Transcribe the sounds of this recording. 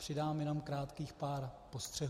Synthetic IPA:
pr̥ɪdaːmjɛnomkɾaːt̪kiːxpaːɾpost̪r̝̥ɛɦ

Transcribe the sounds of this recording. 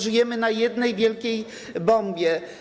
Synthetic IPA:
ʐɘjɛmɘnajɛd̪nɛjvʲjɛlkʲej | bɔmbʲjɛ

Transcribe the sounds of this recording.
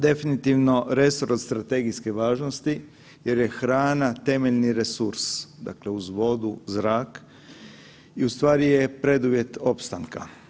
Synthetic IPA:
d̪e̞finit̪iʋno̞ɾe̞soɾost̪ɾat̪e̞ɡijske̞ʋaːʒno̞st̪i | je̞ɾje̞xɾaːnat̪e̞meʎniɾe̞suɾsd̪a̰kle̞uzʋo̞d̪uzɾaːk | iust̪ʋaːɾije̞pɾe̞d̪uʋje̞t̪o̞pst̪aŋka̰

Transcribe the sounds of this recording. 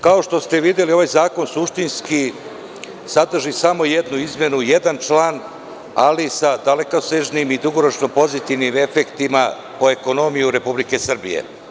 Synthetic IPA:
kao̞ʃt̪o̞st̪eʋid̪je̞lio̞ʋajzaːko̞nsuʃt̪inski | sad̪r̩ʒisamo̞jed̪nuizmje̞nujed̪ant͡ʃlaːn | a̰lisad̪alekaseʒnimid̪uɡo̞ɾo̞t͡ʃno̞po̞zit̪iʋnime̞fekt̪ima | po̞e̞ko̞no̞mijuɾe̞publike̞sr̩bḭjḛ

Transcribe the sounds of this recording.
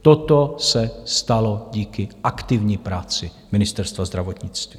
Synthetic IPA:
t̪ot̪osɛst̪aloɟiːkɪʔakt̪ɪvɲiːpɾaːt͡sɪ | mɪnɪst̪ɛɾst̪vazd̪ɾavot̪ɲɪt͡st̪vi

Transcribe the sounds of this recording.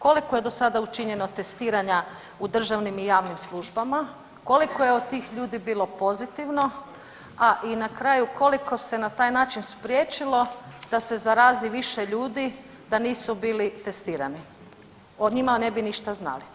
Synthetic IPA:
ko̞likoje̞d̪o̞sad̪aut͡ʃiɲe̞no̞t̪e̞st̪iːɾaɲa | ud̪r̩ʒaʋnimijaːʋnimslˠuʒbama | ko̞likojeod̪̚t̪ːiːxʎuːd̪ibiːlˠo̞po̞zit̪iʋno̞ | aʔinakɾaːjukʰo̞liko̞se̞nat̪aːjnaːt͡ʃinspɾje̞ːt͡ʃilˠo̞d̪̥ase̞zaɾaːziʋiʃe̞ʎuːd̪i | d̪aniːsubiːlit̪e̞st̪iːɾani | od̪ɲimane̞biniʃt̪azna̰li

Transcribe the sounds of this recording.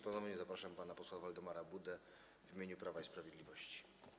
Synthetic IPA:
panɔmɲɛzapɾaʂampanapɔswavald̪ɔmaɾabud̪ɛ | vʲimʲeɲupɾavaispɾavʲjed̪lʲivɔɕt͡ɕi̥

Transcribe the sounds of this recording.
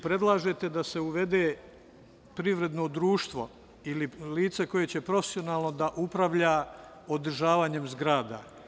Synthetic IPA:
pɾe̞d̪lˠaːʒe̞t̪e̞d̪ase̞uʋe̞d̪eː | pɾiʋɾe̞d̪no̞d̪ɾuːʃt̪ʋo̞ | ililiːt̪seko̞je̞t͡ɕe̞pɾo̞fesio̞naːlˠno̞d̪aʔupɾaʋʎa | od̪ɾ̩ʒaːʋaːɲe̞mzɡɾaːd̪a̰

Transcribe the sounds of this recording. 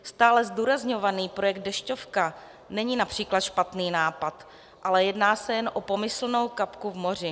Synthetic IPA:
st̪aːlɛzduːɾazɲo̞vaniːpɾo̞jɛɡ̚t̪̚dɛʃcofka | nɛɲiːnapr̝̥iːklat̪ʃpat̪niːnaːpat̪ | ʔalɛjɛdnaːsɛjɛnʔopo̞mɪsl̩nowkapkuvmo̞r̝ɪ

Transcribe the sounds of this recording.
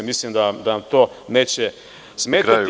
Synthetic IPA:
mislimd̪ad̪aamt̪o̞ː | neːt͡ɕe | smeːat̪

